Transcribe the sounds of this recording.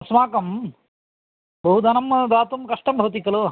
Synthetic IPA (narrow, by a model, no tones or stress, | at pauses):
ɐsmaːkɐm | bɐɦud̪ɐnɐmːɐd̪aːt̪umkɐʂʈɐmbʱɐʋt̪̬ikːɐlu